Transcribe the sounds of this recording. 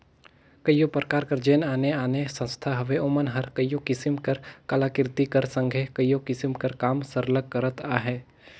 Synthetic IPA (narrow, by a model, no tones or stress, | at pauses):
kəjopɾəkaːɾkəɾd͡ʒeːnaːneaːnesə̃nst̪ʰaɦɐʋeʊmənɦɐɾkəjokɪsɪmkɐɾkalaːkɪɾt̪ikəɾsə̃ŋɡʱekəjjokɪsɪmkɐɾkaːmsəɾləɡ̚kːəɾət̪aːɦɛː